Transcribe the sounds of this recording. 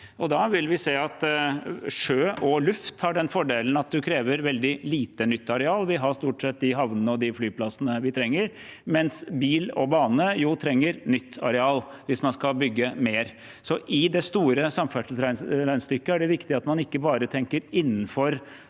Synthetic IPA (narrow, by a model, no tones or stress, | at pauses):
ʔɔd̪ɑʋɪlʋɪseːɑt̪ | ʂøːʔɔlʉft̪hɑɖɛnfɔɖeːln̩ɑt̪̚d̪ʉkʰɾeːʋəɾʋɛld̪ɪliːt̪ənʏt̪ːɑɾɛɑːlʋɪɦɑʂt̪uːʈsɛt̪̚d̪ɪɦɑʋnənəɔd̪ɪflyːpʰlɑsənəʋɪt̪ʰɾɛŋːəɾmɛnsbiːlɔbɑːnəjuːt̪ʰɾɛŋːəɾnʏt̪ʰːɑ̰ɾɛɑːl | ʋɪsmɑnskɑbʏɡːəmeːɾ | sɔʔɪd̪ɛst̪uːɾəsɑmfæʂl̩sɾæɪɾæɪnst̪ʏkːəæɖɛʋɪkt̪ɪɑt̪mɑnɪkːəbɑːɾət̪ʰɛŋkəɾɪnːən̩fɔɾ